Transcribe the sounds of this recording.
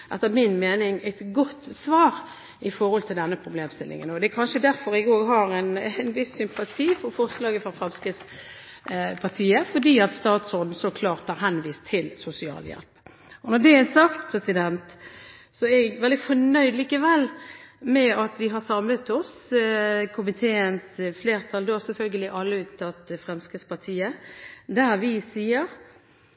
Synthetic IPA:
ʔɛt̪ːəmɪnmeːnɪŋæɪt̪ɡɔt̪ːsʋɑːɾ | ɪfɔɾɔlt̪ʰɪld̪ɛnːəpʰɾʊbleːmst̪ɪlːɪ̰ŋə̰nɔd̪ɛækʰɑnʃəd̪æɾfɔɾɪɡoːɾɦɑɾɛnnʋɪsːʏmpɑt̪ʰiːfɔɾfɔʁslɑːɡəfɾɑfɑmskəs | pʰɑʁt̪ʰiːəfɔdiːɑt̪st̪ɑːt̪sɔd̪n̩sɔkʰlɑːɾt̪hɑɾɦɛnʋiːst̪ʰːɪlsʊsɪɑ̰ːljɛ̰lp | ɔnɔd̪ɛæsɑkt̪pʰɾɛsɪd̪ɛnt̪ | sɔɛɡʋɛld̪ɪfɔɳœʏd̪liːkəʋɛlːmɛɑt̪ʋɪɦɑɾsɑmlət̪ɔs | kʰʊmɪt̪ʰeːənsfleːɾt̪ʰɑld̪oːsɛlfœlɡəlɪʔɑlːəʉːt̪ʰːɑt̪ːfɾɛmskɾəspɑʁt̪ʰiːəd̪æɾʋɪsiːəɾ

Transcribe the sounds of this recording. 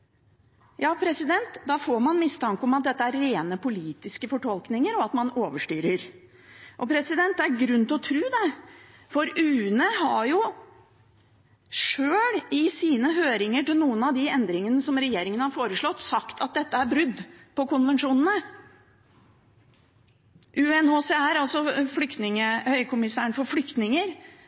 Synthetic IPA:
jɑːpʰɾɛsɪd̪ɛnt̪d̪ɑːfoːɾmɑnmɪst̪ʰɑŋkəɔmɑt̪̚d̪ɛt̪ːəæɾːeːnəpʊliːt̪ɪskəfɔʈʰɔlknɪŋəɾɔɑt̪mɑnoːʋəʂʈyːɾəɾ | ʔɔpʰɾɛsɪd̪ɛnt̪̚d̪ɛæɾɡɾʉnːt̪ɔt̪ʰɾʉːd̪ɛ | fɔɾʉːnəɦɑjʊ | ʂøːlɪsiːnəɦøːɾɪŋəʈɪlnuːənɑʋd̪ɪɛnd̪ɾɪŋənəsɔmɾɛjeːɾɪŋənhɑɾfoːɾəʂɭɔt̪ːsɑkt̪ʰɑt̪̚d̪ɛt̪ːəæɾbɾʉd̪ːpʰɔkʊnʋɛnʂuːnən̩ə | ʔʉɛnoːsɛæɾɑlsɔflʏkt̪nɪŋəhœʏkʰʊmɪsæːəɳfɔɾflʏkt̪nɪŋəɾ

